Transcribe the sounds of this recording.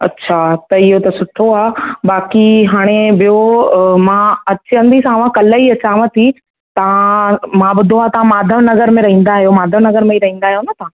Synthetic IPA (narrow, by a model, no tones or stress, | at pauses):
ɐ̰tːɕʰat̪ɐɪɦot̪ɐsʊʈʰoaːbaːkiɦaːɽ̃ebijomãɐt͡ɕə̃nd̪isãʋ̤ãkɐləiɐt͡ɕaːmət̪ʰi | t̪ɐʋ̤ãmãbʊd̪ʱoaːt̪ɐʋãmaːd̪ʱəʋnɐɡəɾmẽɾɐɦĩːnd̪aːɦijomaːd̪ʱəʋnɐɡəɾmẽiɾɐɦĩːnd̪aːɦijonɐt̪ɐʋã